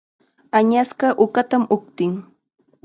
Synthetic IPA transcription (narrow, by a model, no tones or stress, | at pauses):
aɲasɢɑʔʊkat̪amʊkt̪ɪŋ